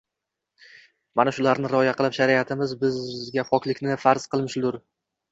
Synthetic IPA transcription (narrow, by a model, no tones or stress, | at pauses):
manaʃʊlaɾnɪɾɒjaqɨlˠɪpʃaɾiat̪ʰɪmɪzbɪzɡʲafɒkʲlɪkʲnɪfaɾz̥qɨlˠmɪʃlʊɾ